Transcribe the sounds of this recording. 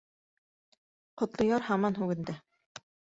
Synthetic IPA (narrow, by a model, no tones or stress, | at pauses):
qŏt̪lˠŏjɑɾhɑmɑnɦʉɡɘ̆nd̪ɘ